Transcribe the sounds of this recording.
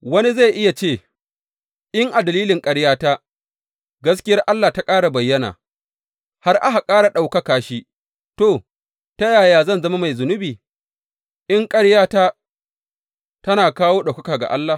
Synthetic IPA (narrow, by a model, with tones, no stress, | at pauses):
wɐ˦ni˦za˦˨jʔɪ˦ja˨t͡ʃeː˦˨ | ʔɪ˦ŋʔa˨dɐ˨liː˦lɪ˨ŋkʼɐ˦ɽjaː˦ta˦ | ɡɐ˦s̬kʲɪ˦jɐ˦rʔa˦lːa˨ta˦kʼaː˦ɽa˨bɐ˨jːɐ˦na̰ː˨ | ha˦rʔa˦ɦa˨kʼaː˦ɽa˨ɗa˨wkɐ˦kaː˨ʃi˦ | toː˨ | ta˦jaː˨jaː˨zɐ˦˨nzɐ˦ma˦ma˨jzʊ˨nʊ˦biː˨ | ʔɪ˦ŋkʼɐ˦ɽjaː˦ta˦ | tɐ˦naː˨kaː˦woː˦ɗa˨wkɐ˦kaː˨ɡa̰˨ʔa˦lːa˨